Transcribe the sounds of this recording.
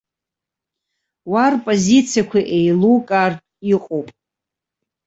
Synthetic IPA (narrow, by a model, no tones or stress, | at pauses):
warpʼozit͡sʰijakʷʰaʔejlukʼartʼiqʼowpʼ